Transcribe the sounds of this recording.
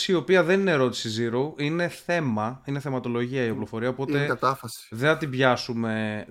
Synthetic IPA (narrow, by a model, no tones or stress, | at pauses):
siio̞piɐðe̞nine̞ɾo̞t̪i̥siziɾoʔine̞θe̞mɐine̞θe̞mɐt̪o̞lo̞ʝiɐiɐplo̞fo̞ɾiɐopo̞tt̪e̞kɐt̪ɐfɐsi̥ðenɐt̪ibʝɐsume̞